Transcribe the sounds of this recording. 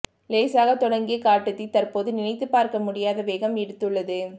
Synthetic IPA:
leːsaːɣɐt̪ɔɽɐŋɡɪjɐkaːʈːɯt̪ːit̪ɐɾpoːðɯnɪnɐɪt̪ːɯpaːɾkɐmʊɽɪjaːðɐʋeːɣɐmɛɽɯt̪ːɯɭːɐðɯ

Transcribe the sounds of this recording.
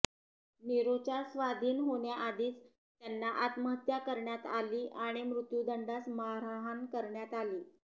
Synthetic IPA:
niɾot͡ɕasʋad̪ʱiːnɦoɳjaʔad̪iːt͡s | t̪janːaʔat̪məɦət̪jakəɾɳjat̪aliːʔaɽ̃imɾut̪jud̪ʱəɳɖasmaɾaɦankəɾɳjat̪aliː

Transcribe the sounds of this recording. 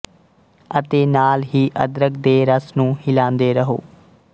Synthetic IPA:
ət̪eːnaːlɦiːʔə̰d̪ɾəkd̪eːɾəsnũːhɪlãːnd̪eːɾəɦo̰ː

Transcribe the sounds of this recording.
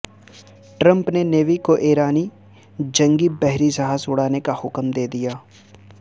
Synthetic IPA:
ʈɾə̃mpneneːʋikoʔeːɾaːni | d͡ʒɐ̃ŋɡibɛɦɾisɐɦasʊɽaːnekahʊkmd̪eːd̪ijaː

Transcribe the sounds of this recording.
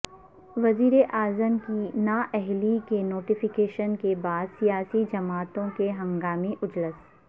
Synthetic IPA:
ʋɐziːɾeʔaːzəmkinaːʔɛɦlikenoːʈɪfɪkeːʃənkebaːd̪sijaːsid͡ʒɐmaːt̪õkeɦɐ̃ŋɡaːmiʔʊd͡ʒləs

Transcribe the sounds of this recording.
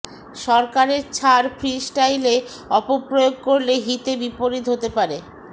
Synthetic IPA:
ʃɔɾkaɾeɾt͡ɕʰaɾfʰɾisʈajle | ɔpopɾojoɡ̚koɾleɦit̪ebipoɾit̪ɦot̪epaɾe

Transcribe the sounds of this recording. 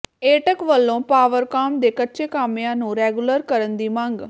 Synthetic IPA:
eːʈəkʋəlːõːpaːʋəɾkaːmd̪eːkətːʃeːkaːmejãːnũːɾɛːɡuləɾkəɾənd̪iːmãŋɡ

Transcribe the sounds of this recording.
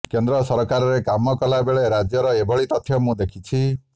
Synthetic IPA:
kend̪ɾɔsɔɾɔkaɾɔɾekamɔkɔlabeɭeɾad͡ʒjɔɾɔebʱɔɭit̪ɔt̪ʰjɔmũd̪ekʰit͡ʃʰi

